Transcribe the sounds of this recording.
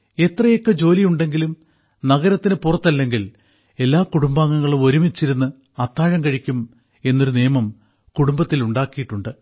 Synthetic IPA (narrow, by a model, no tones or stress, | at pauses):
e̞t̪rɐjokːed͡ʑo̞ːlijuɳɖe̞ŋɡilum | nɐɣɐɾɐt̪ːinɨpurɐt̪ːɐlːe̞ŋɡil | e̞lːaːkuɽumbaːŋːɐŋːɐɭumo̞ɾumit͡ɕːiɾunːɨ | ɐt̪ːaːɻɐŋkɐɻikʲːum | e̞nːo̞ɾunijɐmɐm | kuɽumbɐt̪ːiluɳɖaːkːijiʈːuɳɖɨ